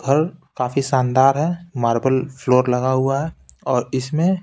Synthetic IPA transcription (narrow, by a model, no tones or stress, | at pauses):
ɡʱɐɾkaːfisaːnd̪aːɾɦɛmaːɾbəlfʰloːɾlɐɡaɦʊaɦɛɔːɾɪsmẽ